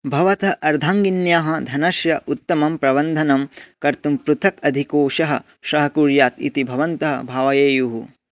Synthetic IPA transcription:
bʱɐʋɐt̪ɐʔɐɾd̪ʱaːŋɡinjaːɦɐ̆d̪ʱɐnɐʃjɐʔut̪ːɐmɐmpɾɐbɐnd̪ʱɐnɐmkɐɾt̪umpɾut̪ʰɐkɐd̪ʱikoːʃɐɦɐ̆ | ʃɾɐɦɐkuːɾjaːt̪ḭt̪ibʱɐʋɐnt̪ɐɦɐ̰bʱaːʋɐjeːjuɦu

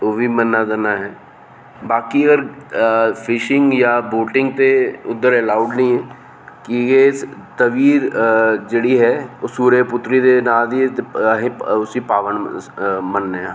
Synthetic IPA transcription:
obʱimənːad̪ənaɦɛː | baːkiəɡəɾ | pʰɪʃɪ̃ŋɡjaboːʈɪ̃ŋɡ̚t̪eʊd̪ːəɾɛlaːʊɖnəɦĩɦɛː | kijet̪ɐʋiːɾd͡ʒeɽiɦɛsuːɾəpʊt̪ɾid̪enaːd̪iɛt̪eɦẽʊsipaːʋənmənɛ

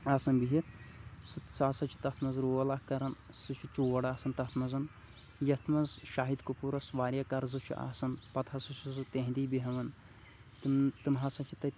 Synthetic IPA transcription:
aːsɐnbiɦit̪sɨsaːsɐt͡ʃʰi̥t̪ɐt̪ʰmɐzɾoːɐlahkɐɾɐn | sɨt͡ʃʰut͡ʃuːʋɐɽaːsɐnt̪ɐt̪ʰmɐzɐn | jɐt̪ʰmɐzʃaːɦid̪kupuɾɐsʋaːɾʲjakɐɾzɨt͡ʃʰṵʔa̰ːsɐnpɐt̪ʰɐsɨsizɨt̪ẽɦnd̪iːbiɦɐʋɐn | t̪ɨt̪ɨmɦasɐt͡ʃʰi̥t̪ɐ

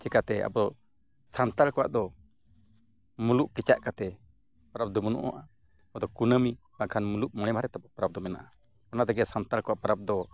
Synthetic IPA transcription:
t͡ʃɛkat̪ɛa̰bɔ | sant̪alkɔwa̰ʔd̪ɔ | muluʔkɛt͡ʃaʔkat̪ɛ | pɾap̚d̪ɔmunṵʔɔ̰ʔa | ɔd̪ɔkunəmi | bakʰanmuluʔmɔɽ̃ɛmaɾɛt̪ɛbɔpɾap̚d̪ɔmɛna̰ʔa | ɔnat̪ɛɡɛsant̪alkɔwaʔpaɾab̚d̪ɔ

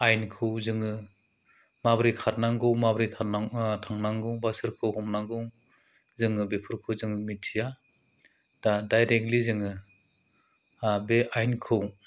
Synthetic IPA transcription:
ajnkʰɯwzɯŋɯ | mabɾikʰatnaŋɡɯwmabɾitʰanatʰaŋnaŋɡɯwbasɯɾkʰɯwɦɔmnaŋɡɯw | zɯŋɯbepʰɯɾkʰɯwzɯŋɯmitʰija | d̥adajɾek̚tlizɯŋɯ | beʔajnkʰɯw

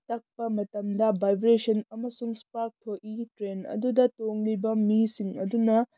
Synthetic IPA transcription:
tɐk̚pɐmɐtɐmdɐbajbɾesɐnɐmɐsuŋspaɾk̚tʰoʔitɾenɐ̰dudɐtoŋlibɐmisiŋɐ̰dunɐ

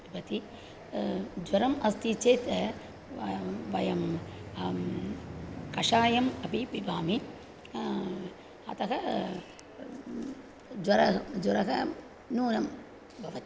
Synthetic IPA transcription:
ibɐt̪i | d͡ʒʋɐɾɐmɐst̪it͡ʃeːt̪ | ʋɐjɐm | kɐʂaːjɐmɐpibibʱaːmi | ɐ̰t̪ɐkɐ | d͡ʒɐɾɐd͡ʒɐɾɐkɐ | nuːnɐm | bʱɐʋɐ

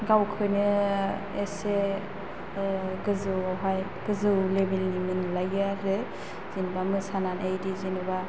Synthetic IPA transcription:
ɡawkʰɯjnɯ | ese | ɡɯzɯɦaj | ɡ̥ɯzɯwlebelnimɯnlajaɾɯ | zinbamɯsananʔajdizinɯba

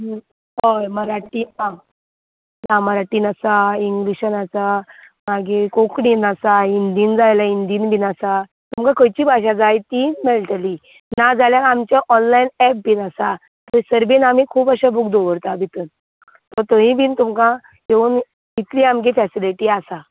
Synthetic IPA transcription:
ojməɾaʈiã | naməɾaʈiːnasaiŋɡliɕənasa | maɡekõkɽinasaind̪iːnd͡zajlaind̪iːnbiːnasa | t̪umkakəjt͡ɕiːbʱaɕad͡zajt̪iːnmelʈəli | nad͡zaljaamt͡ɕjaʔɔnlajinɛp̚binasa | t̪əsəɾbinam̤iːkʰuːpaɕabʱuk̚d̪oʋəɾt̪abʱit̪ən | t̪ɔɾt̪əɦĩbʱiːnt̪umka | ɦeuːn | it̪liamk̬efɛsiliʈiasa

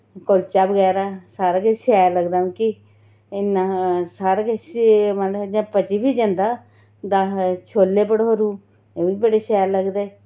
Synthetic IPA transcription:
kolt͡ʃaːbəɡɛːɾaːsaːɾakəʃɛːləɡd̪aːũːki | ɪnãːsaːɾkməd͡ʒãːpət͡ʃiːbiːd͡ʒə̃nd̪aː | d̪aːt͡ʃʰoːlːeːpəɽɦoɾũː | eːʋiːbəɽeːʃɛːləɡd̪eː

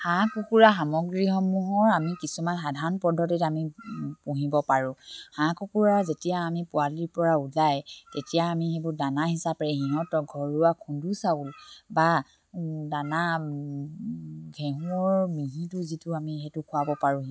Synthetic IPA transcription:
hãkukuɹaɦamɔɡɹiɦɔmuɦɔɹamikisumanxadʱaɹɔnpɔdʱɔtɛtamipuɦibɔpaɹʊ̃hãkukuɹaɹzetijaːmipʊaliɹpɔɹaulajtetijaːmixebʊɹdanahisapɛɦiɦɔtɔɡʱɔɹuakʰũndusaulba | dana | ɡʱɛɦũɔɹmiɦĩtʊzitʊamixɛtʊkʰʊabɔpaɹũi

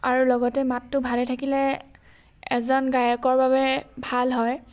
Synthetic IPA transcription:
aɹulɔɡɔtɛmatːʊbʱalɛtʰakilɛ | ɛzɔnɡajɔkɔɹbabɛbʱalɦɔj

